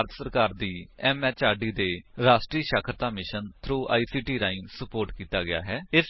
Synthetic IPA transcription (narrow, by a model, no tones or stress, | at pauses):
ɾt̪səɾkaːɾd̪iːɛːmɛːt͡ʃaːɖiːd̪eːɾaːsʈɾiːʃaːkʰɾət̪aːmɪʃənt̪ʰɾuːʔa̰ːiːsiːʈiːɾaːɪ̃ŋsəpoːɾʈkiːt̪aːɡɪja̰ːɦɛːɪs